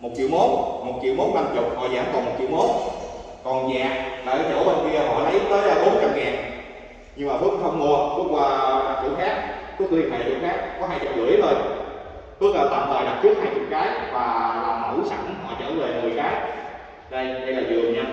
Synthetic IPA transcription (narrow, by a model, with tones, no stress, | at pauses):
mo˨˩t̚t͡ɕḭ˧˨əwmo˨˦˥nmo˨˩t̚t͡ɕḭ˧˨wmo˨˦˥nna˧mt͡ɕʊ˨˩k͡p̚hɔ̰˧˨zaː˧˥˩mkɔ˨˦mo˨˩t̚t͡ɕḭ˧˨wmo˨˦˥n | kɔ˨˩nzaː˨˩ʔ̚laː˨˩ʔə˨˦ɗo̰˧˩˦ɓə˧nki˧əɦɔ̰˧˨lə˨˦jt̪əː˨˦jlaː˨˩ɓo˨˦nt͡ɕa˧mŋaː˨˩n | ɲɨ˧ŋmaː˨˩ə˨˦kxə˧wŋ͡mmo˧əku˨˦kwaː˧˩kḭ˧˩əxaː˦˥k̚ku˨˦˥kɨ˧˦i˨˩ʔa̰˨˩ḭ˨˧˨xaː˦˥k̚kɔ˨˦ɦaː˧jt͡ɕə̰˨˧˨lɨ̰˨˧˩ə˦jzo˧j | ɓə˦˥t̚k̚əː˨˩t̪a̰ː˨˩maː˨˩ɗa˨˩p̚t͡ɕɨ˦˥ək̚haː˧jt͡ɕʊ̰˧˨kaː˨˦jvaː˨˩laː˨˩mə˧˩wsa˧˩ŋɦɔ̰˧˨t͡ɕəː˧˦ve˨˩mə˨˩jxaː˦˥k̚ | ɗə˧jɗə˧jlaː˨˩zɨ˨˩əɲa˧˩